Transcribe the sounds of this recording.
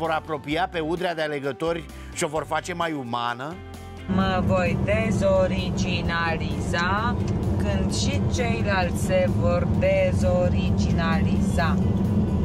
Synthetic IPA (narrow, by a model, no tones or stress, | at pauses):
vo̞ɾapɾo̞piape̞ud̪ɾead̪eale̞ɡət̪o̞rʲ | ʃio̞vo̞rfat͡ʃe̞majumanə | məvo̞jd̪e̞zo̞ɾid͡ʒinalizakɨnd̪ʃit͡ʃe̞jlalt̪sʲsʲse̞vo̞rd̪e̞zo̞ɾid͡ʒinaliza